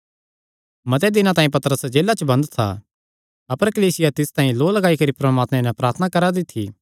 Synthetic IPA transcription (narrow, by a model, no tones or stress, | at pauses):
mɐt̪ɛd̪ɪnãt̪aːĩpɐt̪ɾəsd͡ʒeːlat͡ʃəbɐ̃nd̪t̪ʰa̰ | ɐpəɾkɐliːsɪjat̪ɪst̪ãːĩloːlɐɡaːikɐɾipɾɐmaːt̪mɛ̃nɛpɾaːɾt̪ʰənakɐɾad̪ɪt̪ʰːḭ